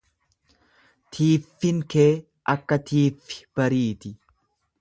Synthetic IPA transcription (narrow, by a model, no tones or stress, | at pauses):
t̪ʰiːfːɪŋkeː | ʔɐkːɐt̪ʰiːfːɪ̥b̥ɐɾiːt̪ɪ